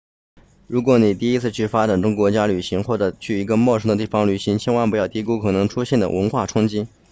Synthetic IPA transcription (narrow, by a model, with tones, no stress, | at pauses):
ɻu˧˥kwɔ˧˥ni˨˩t̪i˥˩i˥t͡sʰɹ̩˥˧t͡ɕʰy˥˩fa˥ʈ͡ʂa˨˩nʈ͡ʂʊ˥ŋkwɔ˧˥t͡ɕja˥ly˨˩ɕi˧˥ŋxwɔ˥˩ʈ͡ʂɤ˨˩t͡ɕʰy˥˩i˧˥ɡə˧mwɔ˥˩ʂɤ˥ŋd̪ə˧t̪i˥˩fɑ˧˩ŋly˨˩ɕi˧˥ŋt͡ɕʰɛ˥nwa˥npjɑ˥˩ʊt̪i˧˥ku˥kʰɤ˨˩nɤ˧˥ŋʈ͡ʂʰu˥ɕjɛ˥˩nd̪ə̰˩wə˧˥nxwa˥˩ʈ͡ʂʰʊ˥ŋt͡ɕi˥